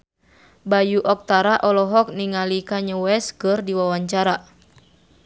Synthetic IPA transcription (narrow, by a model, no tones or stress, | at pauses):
bajuʔɔk̚t̪aɾaʔɔlɔɦɔk̚niŋalikaɲəwɛskɨrdiwawaɲt͡ʃaɾa